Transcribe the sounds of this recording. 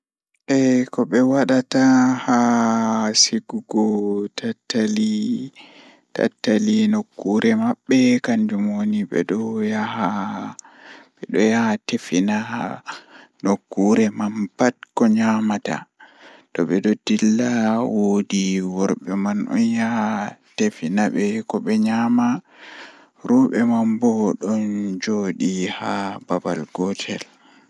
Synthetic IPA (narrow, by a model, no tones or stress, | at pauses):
ʔɛkɔɓɛwaɗataha | siɡuɡɔtatːali | ta̰tːalinokːuɾɛmaɓːɛkand͡ʒumwoniɓɛ̰ɗɔjaha | ɓɛɗɔjahatefina | nokːuɾɛmanpat̚kɔɲamata̰tɔɓɛdɔdilːawodiwɔɾɓɛmanʔɔ̰njahatefinaɓɛkɔɓɛɲama | ɾuɓɛmambɔɗɔnd͡ʒoɗihababalɡɔtʰɛl